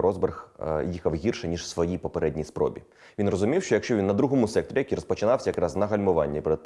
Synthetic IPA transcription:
ɾɔzberxjixɐwɦʲirʃɛnʲiʒsʋɔjipɔpeɾɛdʲnʲijspɾɔ̰bʲḭ | ʋʲinrɔzʊmʲiwʃt͡ʃɔjɐkʃt͡ʃɔʋinːɐd̪ɾuɦɔmʊsɛk̚t̪ɾʲijɐkiɾɔspɔt͡ʃɪnɑwsʲɐjɐkɾɑznɐɦɐlʲmʊʋɑnʲːipɾe

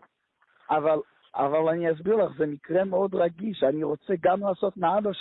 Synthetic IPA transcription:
aval | a̰valanias̬biʁlˠaχzɛmikʁɛmeod̪ʁaɡiʃaniʁot͡sɛɡamlaːsot̪naabaʃ

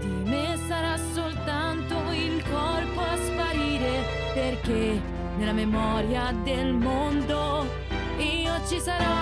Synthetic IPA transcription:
d̪̥imesaɾasolt̪ant̪oilkɔrpoaspaɾiːɾe | perke | nelːamemɔɾjad̪elmond̪o | iːot͡ʃisaɾɔ

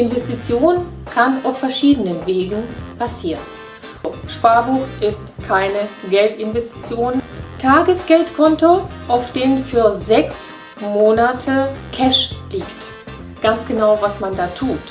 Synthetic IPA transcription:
ʔɪnvɛstit͡sjoːn | kʰanaʊfɛɐʃiːdənənveːɡŋ̩pʰasiːʁən | oʃpaɐbuːχʔɪstkʰaɪnəɡɛltɪnvɛsti̥t͡sjoːntʰaːɡəsɡ̥ɛltkʰɔntoʔaʊfd̥eːnənfyːɐzɛks | moːnatʰəkʰɛʃliːkt | ɡ̥ant͡sɡ̥ənaʊvasmandaːtʰuːt

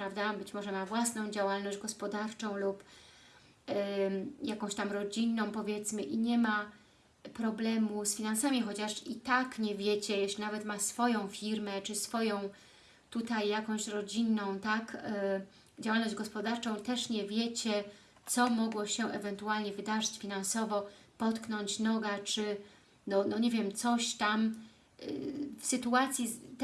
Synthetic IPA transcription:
pɾavd̪abɘt͡ɕmɔʐɛmavwasnɔ̃w̃d͡ʑawalnɔʑd͡ʑɡɔspɔd̪aɾt͡ʂɔ̃w̃lup | jakɔ̃w̃ɕt̪amɾɔd͡ʑinːɔ̃w̃pɔvʲjɛt̪smɘʔiɲɛma | pɾɔblɛmusfʲinansamʲixɔt͡ɕaʂit̪akɲɛvʲjet͡ɕɛjɛɕlʲinavɛt̪masfɔjɔ̃w̃fʲiɾmɛt͡ʂɘsfɔjɔ̃w̃ | t̪ut̪ajːakɔ̃w̃ɕɾɔd͡ʑinːɔ̃w̃t̪ak | d͡ʑawalnɔʑd͡ʑɡɔspɔd̪aɾt͡ʂɔ̃w̃t̪ɛʂɲɛvʲjet͡ɕɛ | t̪sɔmɔɡwɔɕɛʔɛvɛnt̪ualɲɛvɘd̪aʐɘt͡ɕfʲinansɔvɔpɔt̪knɔɲt͡ɕnɔɡat͡ʂɘ | nɔnɔɲevʲjɛmt̪sɔɕt̪am̰ | fsɘt̪uat̪sʲji

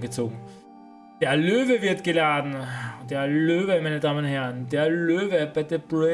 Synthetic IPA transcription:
ɡ̥ət͡so̰ːɡŋ̩ | d̥ɛɐløːʋəʋɪɐdɡ̥əlaːd̥n̩d̥eɐløːʋəmanəd̥ɑːmənonhɦɛɐnd̥eɐløːʋəb̥æd̥əb̥ʁe

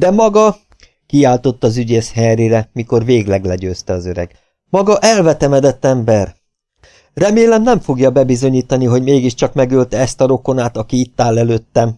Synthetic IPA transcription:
d̪ɛmɒɡɒ | kiaːlt̪o̞t̪ːɒzyɟeːʃhɛriɾɛmiko̞rveːɡlɛɡlɛɟøːst̪ɛɒzøɾɛ̰ɡ | mɒɡɒʔɛlvɛt̪ɛmɛd̪ɛt̪ːɛmbɛr | rɛmeːlɛmnɛɱfo̞ɡjɒbɛbizo̞ɲiːt̪ɒniɦo̞ɟmeːɡiʃt͡ʃɒkmɛɡølt̪ɛst̪ɒɾo̞ko̞naːt̪ɒkiit̪ːaːlːɛløːt̪ːɛm

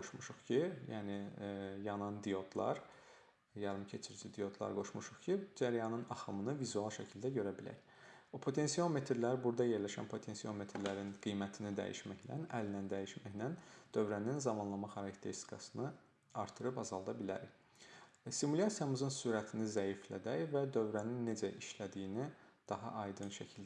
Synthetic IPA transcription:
oʃmuʃuχcʰijæːnijɑnɑnd̪ijo̞t̪ʰlˠɑ̰ɾ | jɑɾɯmcʰe̞t͡ʃʰiɾd͡ʒid̪ijo̞t̪ʰlˠɑ̰ɾɡo̞ʃmuʃuχcʰid͡ʒæɾjɑnɯnɑχɯmɯnɯvizuɑlˠʃæcʰilʲd̪æɟø̞ɾæbilæ̰ɾ | opʰo̞t̪ʰe̞nsijɑlˠme̞t̪ʰɾlæɾbuɾd̪ɑje̞ɾlæʃæ̰npʰo̞t̪ʰensijalˠme̞t̪ʰɾlæɾinɡ̥ijmæt̪ʰinid̪æ̰jḭʃmæçd̪æ̰nælnænd̪æjiʃmæçd̪ænd̪̥ø̞vɾæninzɑmɑnlˠɑmɑχɑɾɑcʰt̪ʰeɾst̪ikʰɑsɯnɯ | ɑɾt̪ʰːɯɾɯpɑzɑlˠd̪ɑbilæ̰ɾ | st̪imulʲɑsijɑmɯzɯnsuɾæt̪ʰinizæjiflæ̰d̪æjvæd̪ø̞vɾæninːe̞d͡ʒæʔiʃlæd̪ijinid̪̥ɑɦɑ̰ʔɑjd̪ɯnʃæcʰild̪

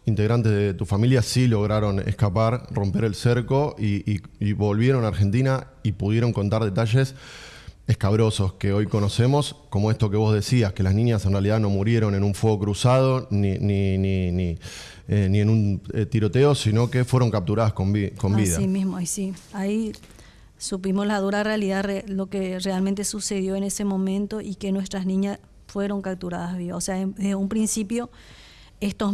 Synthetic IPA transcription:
int̪e̞ɣɾant̪ezðet̪ufamiljasilo̞ɣɾaɾo̞nḛhkapaɾro̞mpe̞ɾe̞lseɾko̞ʔiβo̞lβje̞ɾo̞naɾxe̞nt̪ina | ipuð̞je̞ɾo̞ŋko̞nt̪aɾð̞e̞t̪aʃe̞s | ehkaβɾo̞so̞ske̞o̞jko̞no̞se̞mo̞sko̞mo̞e̞st̪o̞ke̞β̞o̞zðe̞siaske̞lasnĩɲjase̞nrealiðano̞muɾje̞ɾo̞ne̞nuɱfweɣokɾusað̞o̞nininini | enienũnet̪iɾo̞t̪e̞o̞sino̞ke̞fweɾo̞ŋkap̚t̪uɾaðasoko̞mbiðamĩsmoisiai | supimoslaðuɾarealiðarelo̞kerealment̪̬e̞suse̞ðjo̞ene̞se̞mõ̞mẽnt̪oʔike̞nwe̞st̪ɾasnĩɲas | fwe̞ɾo̞ŋkap̚t̪uɾaðazβiβaoseaðeðeumpɾinsipjo̞ | est̪o

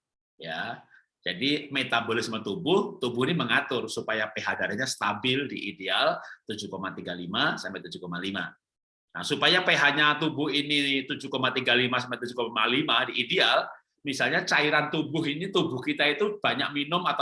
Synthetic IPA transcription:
ja | d͡ʒadimet̪abolɪsmət̪ubʊht̪ubʊhiniməŋat̪ʊrsupajapeɦadaɾahɲast̪abɪldḭʔidealt̪ud͡ʒukomat̪iɡalimasampɛʔt̪ud͡ʒukomalima̰ | na̰supajapeɦaʔɲat̪ubʊhinit̪ud͡ʒukomat̪iɡalimasampɛʔt̪̬ud͡ʒukomalimadiideal | misalɲat͡ʃaiɾant̪ubʊɦinit̪ubʊhkit̪ait̪ub̥aɲak̚minʊmat̪a

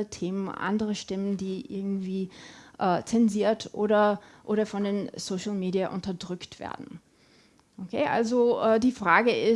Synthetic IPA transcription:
ətʰeːmənʔa̰ndəʁəʃtɪməndiːʔɪ̰ɐɡŋ̩tv̥iːʔɛːt͡sɛnziːɐtʰʔoːɾɐʔoːɾɐfɔndeːnsoʃl̩meːdiaʔʊntɐdʁʏktv̥ḛːɐdn̩ | ʔokʰeːʔa̰lzoʔɛːdiːfʁ̥aːɡəʔɪ

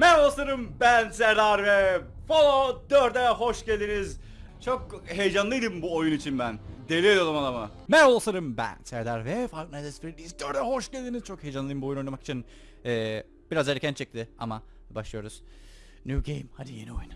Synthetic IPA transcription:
mɛɾolˠsˠaɾɯmbænsɛɾd̪aɾvɛ | folˠod̪øɾd̪ɛɦoʃɟælʲd̪iniz | t͡ʃʰokɦejd͡ʒanlˠɯjd̪ɯmbuojunit͡ʃʰinbænd̪elʲied̪ʲod̪amad̪ˠama | mɛɾolˠsaɾɯmbæ̰nsɛɾd̪aɾvɛfaɾknazɛsfiɾiɾʲiizd̪øɾd̪ɛhoʃɟælʲd̪iniz̥t͡ʃʰo̞khejd͡ʒanlˠɯjmbuo̞junonamaki̥t͡ʃʰin | ɛː | b̥iɾazeɾecʰʲænt͡ʃʰɛc̚t̪ʰɪa̰ma | baʃlˠɯjo̞ɾuz̥ | njuːɟḛjmhad̪ijenojun

